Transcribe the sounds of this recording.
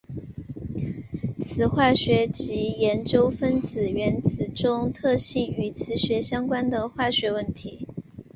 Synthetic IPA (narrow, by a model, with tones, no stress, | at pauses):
t͡sʰɹ̩˧˥xwa˥˩ɕɥɛ˧˥t͡ɕi˧˥jɛ˧˥nt͡ɕjo˥ʊfə˥nt͡sɹ̩˨˩ɥɛ˧˥nt͡sɹ̩˨˩ʈ͡ʂʊ˥ŋt̪ʰɤ˥˧ɕi˥˩ny˧˥t͡sʰɹ̩˧˥ɕɥɛ˧˥ɕjɑ˥ŋkwa˥nd̪ə˨xwa˥˩ɕɥɛ˧˥wə˥˩nt̪ʰi˧˥˦